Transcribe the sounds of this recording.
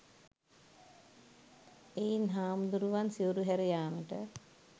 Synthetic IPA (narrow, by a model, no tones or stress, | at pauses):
eːnɦaːmd̪uɾuʋansioɾuɦæɾijaːnəʈə